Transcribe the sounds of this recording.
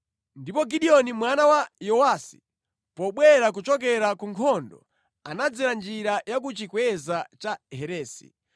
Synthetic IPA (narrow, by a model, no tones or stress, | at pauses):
ndipɔɡiɗiɔnimwanawajɔwasi̥̰ | pɔɓwɛɾak̬ut͡ʃɔk̬ɛɾakuŋkʰɔndɔ̰ | anad͡zɛɾand͡ʒiɾajak̬ut͡ʃikwɛzat͡ʃahɛɾɛːsḭ